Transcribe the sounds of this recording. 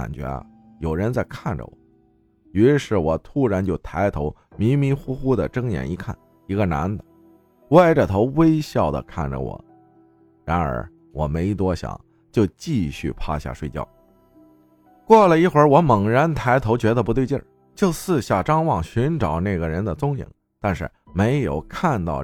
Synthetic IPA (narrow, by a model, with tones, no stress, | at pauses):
a̰˨˩nt͡ɕɥɛ̰˧˥˧ | jo˨˩ʊɻə˧˥nt͡sa˥˧ɪkʰa˥˩nʈ͡ʂə̰˧˩wɔ̰˨˦ | y˧˥ʂɻ̩˥˩wɔ˨˩t̪ʰu˥ɻa˧˥nt͡ɕjo˥˩ʊt̪ʰa˧˥ɪt̪ʰo˧˥ʊ | mi˧˥ŋmi˧˥ŋxu˥xu˥d̪ə˨ʈ͡ʂɤ˥ŋjɛ̰˨˩ni˧˥kʰa̰˥˩n | i˧˥ɡə˧na̰˧˥nd̪ə˨ | wa˥˩ɪʈ͡ʂə˩t̪ʰo˧˥ʊwe˥ɪɕjɑ˥˩ʊd̪ə̰˩kʰa̰˥˩nʈ͡ʂə̰˨˩wɔ̰˨˩˦ | ɻa˧˥nə̰˞˧˥ | wɔ˨˩me˧˥ɪt̪̬wɔ˥ɕjɑ̰˨˩˦ŋ | t͡ɕjo˥˧ʊt͡ɕi˥˧ɕy̰˥˩pʰa̰˥˧ɕja̰˥˩ʂwe˥˧ɪt͡ɕjɑ̰˥˩ʊ | kwɔ˥˩lə˩i˥˩xwə˞˧˥wɔ˧˥mə˨˩ŋɻə˧˥nt̪ʰa˧˥ɪt̪ʰo˧˥ʊt͡ɕɥɛ˧˥d̪ə˧pu˧˥we˥˧ɪt͡ɕɛ̰˥˩ | t͡ɕjo˥˧ʊsɹ̩˥˧ɕja˥˩ʈ͡ʂɑ˥ŋwɑ˥˩ŋɕy˧˥nʈ͡ʂɑ˨˩ʊna˥˩ɪɡə˩ɻə˧˥nd̪ə˨t͡sʊ˥ŋḭ˨˩˦ŋ | t̪a˥˧nʂɻ̩˥˩me˧˥ɪjo˨˩ʊkʰa˥˧nt̪ɑ̰˥˧ʊ